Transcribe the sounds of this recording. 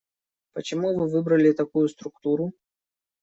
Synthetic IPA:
pət͡ɕɪmuvɨvɨbɾəlʲɪt̪ɐkujʊst̪ɾʊk̚t̪uɾʊ

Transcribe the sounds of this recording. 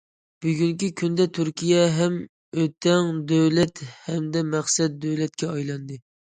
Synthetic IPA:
b̥yɡʲyŋkʲikʲʰynd̪ɛt̪ʰyɾkʲʰijɛɦɛm | øt̪ʰɛŋd̪øwlɛt̪hɛmd̪ɛmæχsɛd̪̚d̪øwlɛt̪̚kʲɛɑjlˠɑnd̪ɨ

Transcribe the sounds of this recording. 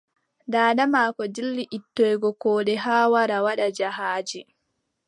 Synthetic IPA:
daːɗamaːkɔd͡ʒilːiʔitːɔjɡɔkɔːɗɛɦaːwaɾawaɗad͡ʒaɦaːd͡ʒi

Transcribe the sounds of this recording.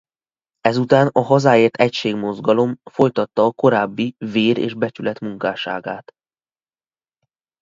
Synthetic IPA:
ɛzut̪aːnɒɦɒzaːeːrt̪ʰɛcʃeːɡmo̞zɡɒlo̞mfo̞jt̪ɒt̪ːɒːko̞ɾaːbːiveːɾḛːʒbɛt͡ʃylɛt̪muŋkaːʃa̰ːɡa̰ːt̪

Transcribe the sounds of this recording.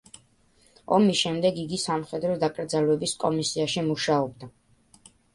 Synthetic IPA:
ɔmisʃɛmd̪ɛɡiɡisamχɛd̪ɾɔd̪akʼɾd̪zalwɛbiskʼɔmisiaʃimuʃaɔb̚d̪a

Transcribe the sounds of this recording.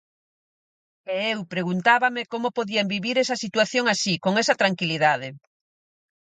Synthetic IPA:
eewpɾeɣunt̪aβamekomopoðiambiβiɾɛsɐsit̪waθjoŋasikoŋɛsɐt̪ɾaŋkiliðaðɪ

